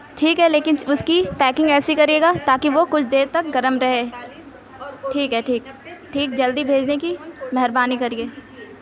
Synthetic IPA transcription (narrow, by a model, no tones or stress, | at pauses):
ʈʰiːkɦɛleːkɪnʊskipɛːkɪ̃ŋɡɛːsikɐɾieːɡat̪aːkiʋokʊt͡ʃʰd̪eːɾt̪ɐk̚ɡɐɾəmɾɐɦeː | ʈʰiːkɦɛʈʰiːkʈʰiːk̚d͡ʒɐld̪ibʱeːd͡ʒnekimɛɦɛɾbaːnikɐɾieː